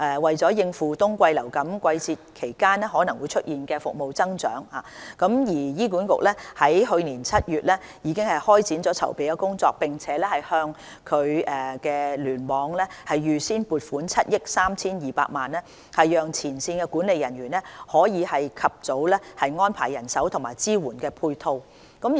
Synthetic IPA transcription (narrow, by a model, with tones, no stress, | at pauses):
ʔɛː˨wɐ˨jt͡sɔː˨˥jɪ˧ŋfuː˨t̪ʊ˥ŋkʷɐ˧jlɐ˨˩wkɐ˨˥mkʷwɐ˧jt͡siː˧t̚kʰe˨˩jkaː˥nɛ˥ɦɔː˨˥nɐ˨˩ŋwuː˨˧jt͡ʃʰɵ˥t̚jiː˨nkɛː˧fʊ˨k̚mo˨wt͡sɐ˥ŋt͡ʃœ̰ː˨˥ŋhaː˨kɐ˨˥mjiː˨˩jiː˥kuː˨˥nkʊ̰˨k̚lɛː˥hɐ˨˥jɦɵ˧ɥniː˨˩nt͡sʰɐ˥t̚jyː˨t̚lɛː˥ | jiː˨˧kɪ˥ŋhɐ˨jhɔː˥jt͡siː˨˥nt͡sɔː˨˥t͡sʰɐ̰˨˩wpe˨jkɛː˧kʊ˥ŋt͡sɔː˧k̚pɪ˨ŋt͡sʰɛː˨˥lɛː˥hɐ˨jhœː˧ŋ | kʰɵ˨˧ɥkɛː˧lyː˨˩nmɔː˨˧˥ŋlɛː˥hɐ˨jːyː˨siː˥npuː˨˩t̚fuː˨˥nt͡sʰɐ˥t̚jɪ˥k̚saː˥mt͡sʰiː˥njiː˨pa̰ː˧k̚maː˨nlɛː˥ | hɐ˨jːœː˨˩ŋt͡sʰiː˨˩nsiː˧nkɛː˧kuː˨˥nle˨jɐ˨˩nɥyː˨˩nɛ˥hɔː˨˥jiː˨˧hɐ˨jkʰɐ˨p̚t͡so˨˥wlɛ˥hɐ˨jŋɔː˥npʰaː˨˩jːɐ˨˩nsɐ˨˥wt̪ʰʊ˨˩ŋmaː˨˩jt͡siː˥wuː˨˩nkɛː˧pʰuː˧jt̪ʰo˧w | kɐ˨˥m